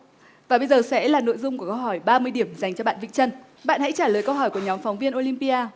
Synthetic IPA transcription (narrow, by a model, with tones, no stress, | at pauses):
vaː˨˩ɓə˧jzəː˨˩sɛ̰˧˥laː˨˩no̰˧˨jzʊ˧ŋ͡mku˧˩əkə˧wɦɔ˧˩jɓaː˧mɨ˧əjɗi˧˩əmza˨˩jŋ̟t͡ɕɔ˧ɓa̰ː˧˨nvḭ˧˨t͡ɕə˧n | ɓa̰ː˧˨nha̰˧˥jt͡ɕaː˧˩ləː˨˩jkə˧wɦɔ˧˩jku˧˩əɲɔ˨˦mfɔ˨˦wŋ͡mvi˧ənʔo˧li˧mpi˧ʔaː˧